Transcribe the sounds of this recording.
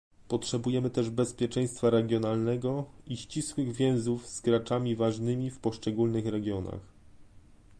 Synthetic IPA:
pɔtʂɛbujɛmɘt̪ɛʐbɛspʲjɛt͡ʂɛ̃j̃st̪faɾɛɡʲjɔnalnɛɡɔiɕt͡ɕiswɘɣvʲjɛ̃w̃zufz̥ɡɾat͡ʂamʲivaʐnɘmʲifpɔʂt͡ʂɛɡulnɘxɾɛɡʲjɔna̰x

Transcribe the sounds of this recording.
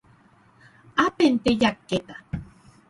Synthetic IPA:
apent̪ejakːet̪ḁ

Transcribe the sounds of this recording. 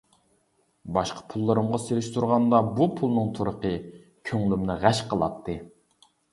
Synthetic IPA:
bɑʃqʰɑ̥pʰulˠːɨɾɨmʁɑseɾɪʃt̪ʰuɾʁɑnd̪ɑbupʰulˠnɨŋt̪ʰoɾəqə | kʲʰøŋlymnɪʁæʃqʰəlˠɑ̰t̪ʰːɨ

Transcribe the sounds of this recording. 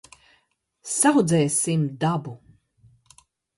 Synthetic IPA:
sawd̪zɛjsimd̪abu

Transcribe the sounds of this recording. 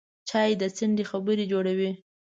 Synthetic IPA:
t͡ʃɑjed̪ət͡səndexabəɾed͡ʒoɽawi

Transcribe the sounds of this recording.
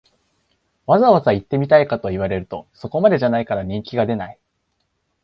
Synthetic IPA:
βazaβazait̪ːe̞mʲit̪aikat̪o̞iβ̞aɾe̞ɾɯ̟t̪o̞̰so̞ko̞mad̪e̞ʑanaikaɾaɲ̟ĩŋkʲiɡad̪e̞nai

